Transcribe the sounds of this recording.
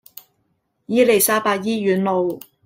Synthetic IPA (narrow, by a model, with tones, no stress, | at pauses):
jiː˥le˨˩jsaː˥paː˧˥t̚jiː˥jyː˨˥nlo˨˧w